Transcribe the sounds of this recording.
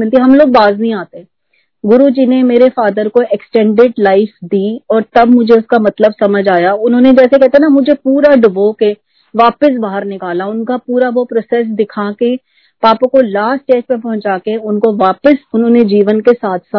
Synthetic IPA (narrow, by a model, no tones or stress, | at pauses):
ɪlt̪iɦɐmloːɡ̚baːznɐɦĩaːt̪eɛ | ɡʊɾud͡ʒiːnemeːɾefaːd̪əɾkoʔɛksʈɛ̃ːɳɖɪɖlaɪfd̪iːɔːɾt̪ɐbmʊd͡ʒʱeʊskamɐt̪ləbsɐməd͡ʒaːjaʊnɦõːned͡ʒɛːsekɛɦt̪aɦɛnamʊd͡ʒʱepuːɾaɖʊboke | ʋaːpəs̬baːɦəɾnɪkaːlaʊnkapuːɾaʋopɾoːsɛːs̬d̪ɪkʰake | paːpõkolaːsʈeːd͡ʒpẽpɐɦʊ̃nt͡ʃaːkeʊnkoʋaːpəsʊnɦõːned͡ʒiːʋənkesaːt̪ʰsa